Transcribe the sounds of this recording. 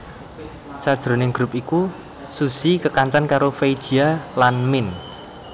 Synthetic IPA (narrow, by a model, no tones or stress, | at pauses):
sad̥ʒ̥ɾo̤nɪŋɡ̥ɾup̚iku | susikəkaɲt͡ʃankaɾofejd̥ʒ̥ialanmɪn